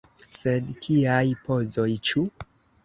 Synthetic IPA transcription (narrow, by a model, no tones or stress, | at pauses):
sedkʰiajpo̞zojt͡ʃu